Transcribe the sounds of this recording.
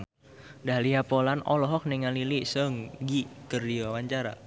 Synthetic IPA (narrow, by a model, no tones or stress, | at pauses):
daliɦapɔlanɔlɔɦɔk̚nɛŋalilisəŋɡikərdiwawaɲt͡ʃaɾa̰